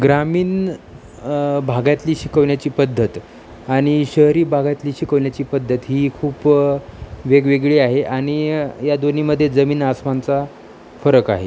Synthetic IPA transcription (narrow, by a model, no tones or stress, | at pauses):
ɡɾamiːn | bʱaɡat̪liːɕikəʋɳjat͡ɕiːpəd̪ʱːət̪ | aɽ̃iɕəɦɾiːbʱaɡat̪liːɕikəʋɳjat͡ɕiːpəd̪ʱːət̪ɦiːkʰuːp | ʋeɡʋeɡɭiːaɦeʔaɽ̃ijad̪oniːməd̪ʱːjed͡zəmiːnasmant͡sa | fəɾəkaɦḛ